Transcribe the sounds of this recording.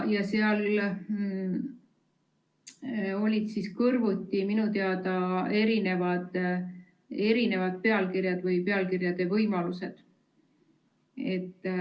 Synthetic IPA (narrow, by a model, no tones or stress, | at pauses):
jɑseɑl | o̞lʲid̪̥siskɤrvut̪ʲːiminut̪eɑd̪ɑe̞ɾine̞vɑd̪̥ | e̞ɾine̞vɑd̪̥̚pe̞ɑlkirjɑd̪vɯjpe̞ɑlkirjɑd̪̥e̞vɤjmɑlused̪̥ | e̞t̪ː